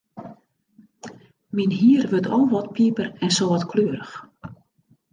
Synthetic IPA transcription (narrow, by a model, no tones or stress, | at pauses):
minɦiərʋøtʰɔlˠʋɔt̚pʰipərɛnsoʋɔtkʰløəɾəx